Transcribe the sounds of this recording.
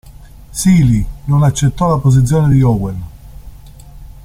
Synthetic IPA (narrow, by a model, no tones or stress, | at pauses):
siːlinonat͡ʃːet̪ːɔlapoz̬it̪s̬ːjoːned̪iɔwel